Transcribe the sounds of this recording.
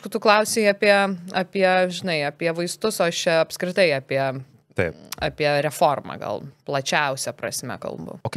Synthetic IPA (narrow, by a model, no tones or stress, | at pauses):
ʃkʊt̪ʊklˠɐʊsʲeːɪɐpʲiɛɐpʲiɛʒʲɪnɐɪɐpʲiɛʋɐɪst̪ʊsoːɐʃt͡ʃʲɛɐpskɾʲɪt̪ɐɪɐːpʲiɛ | t̪ɐɪɐ̰ːpʲiɛɾʲɛfoːrmɐ̰ɡɐ̰lˠplˠɐt͡ʃʲɛʊsʲɛpɾɐ̰sʲmʲɛ̰kɐ̰lˠbʊ̰ok